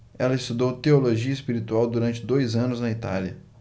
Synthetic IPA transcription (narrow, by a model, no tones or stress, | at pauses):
ɛlɐɪst̪ud̪owt̪eoloʒiɐɪspiɾit̪uawd̪uɾɐ̃t͡ʃɪd̪ojzɐ̃nʊznɐit̪a̰ljɐ